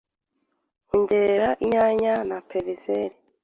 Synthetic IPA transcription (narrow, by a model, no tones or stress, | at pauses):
uɲɟeɾaʔiɲaɲanapʰeβiseɾi